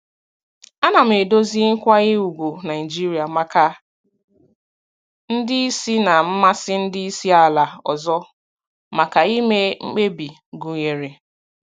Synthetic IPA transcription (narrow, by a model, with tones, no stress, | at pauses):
a˦na˨m̩˨e˨do˦zi˦ŋ̩˦kʷa˦ɣɪ˦u˨ɡʷo˨na˨ɪ˨d͡ʒi˦ɾi˨a˨ma˨ka˨ | n̩˦dɪ˦i˦si˦na˨m̩˦ma˦sɪ˦n̩˦dɪ˦i˦si˦a˨la˨ɔ˨zɔ˦ | ma˨ka˨i˦me˦ŋ͡m̩˦k͡pe˦bi˨ | ɡu˨ɲe˨ɾe˨